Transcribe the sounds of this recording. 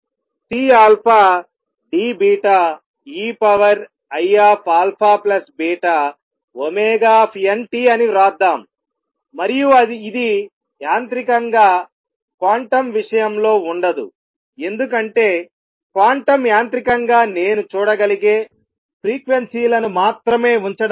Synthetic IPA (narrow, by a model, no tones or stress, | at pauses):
ʈiːaːlpʰaː | ɖiːbiːʈaː | iːpɐʋɐɾ | ɐjaːpʰaːlpʰaːplɐsbiːʈaː | omɛːɡaːpʰenʈiːɐniɾaːd̪ːaːmː | ɐɾijuɐːd̪i | jaːnt̪ɾikɐŋɡaː | kʋaːɳʈɐmʋiʂɐjɐmlo̞ːuɳɖɐd̪ṵ | e̞nd̪uk̬ɐɳʈe̞ː | kʋaːɳʈɐmjaːnt̪ɾikɐŋɡaːne̞ːnut͡ʃuːɽɐɡɐliɡe̞ː | pʰɾiːkʋensiːlɐnumaːt̪ɾɐme̞ːuɲt͡ʃɐɽ